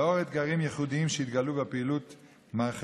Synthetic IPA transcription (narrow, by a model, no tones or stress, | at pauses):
oʁet̪ɡaʁimjeχud̪iimʃeit̪ɡalubepeilut̪ | maʁχ